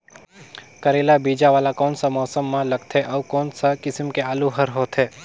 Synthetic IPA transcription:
kɐɾeːlabiːd͡ʒaʋaːlakɔːnsamɔːsəmːãlɐɡ̚t̪ʰeʔɔːkɔːnsakɪsəmkeaːluɦɐɾɦoːt̪ʰɦeː

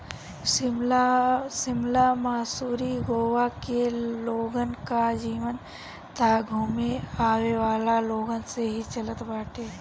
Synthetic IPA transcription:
sɪmlamaːsuːɾiɡoːwakeloːɡənkad͡ʒiːʋən | t̪aɡʱuːmeaːweʋaːlaloːɡənseɦit͡ʃələt̪baːʈe

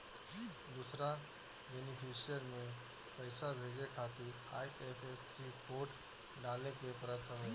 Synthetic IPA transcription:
d̪usɾa | bɛnɪpʰisijəɾmẽ | pəɪsabʱeːd͡ʒekʰaːt̪ɪɾ | aːjepʰessikoːʈ | ɖaːlekepɾət̪ʰɦəʋeː

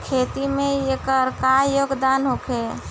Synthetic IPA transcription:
kʰeːt̪imẽekəɾkajoːɡd̪aːnɦokʰe

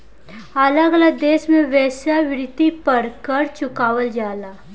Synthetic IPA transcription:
ɐləɡɐləɡ̚d̪eːʃmẽʋɛːsaʋɪɾɪt̪ːipɐɾkəɾt͡ʃʊkaːʋəld͡ʒaːlaː

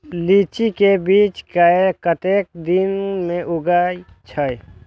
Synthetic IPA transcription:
liːt͡ʃikebiːt͡ʃkaekət̪eːk̚d̪ɪnmẽʔʊɡai | t͡ʃʰəj

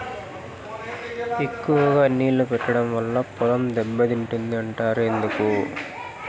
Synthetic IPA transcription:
e̞kːuʋɐɡaːniːlːupɛʈːɐɽɐmʋɐlːɐpɔlɐmd̪ɛbːɐd̪iɳʈund̪iɐɳʈaːɾe̞nd̪uku

